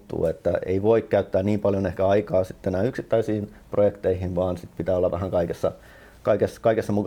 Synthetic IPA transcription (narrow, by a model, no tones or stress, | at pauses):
t̪ːṵːet̪ːæḛiʋoikkæyt̪ːæːnniːmpɑljonehkæɑikɑːsit̪ːenæːyksit̪ːæisiːn | projekt̪eihinʋɑːnsit̪pit̪æːolːɑʋæɦæŋkɑikesːɑ | kɑikeskɑikesːɑmukɑ